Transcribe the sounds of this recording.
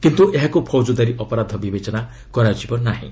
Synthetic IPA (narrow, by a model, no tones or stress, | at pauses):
kint̪uʔeɦakupʰɔwd͡ʒud̪aɾiʔɔpɔɾad̪ʱɔbibet͡ʃɔna | kɔɾad͡ʒibɔnaɦḭ̃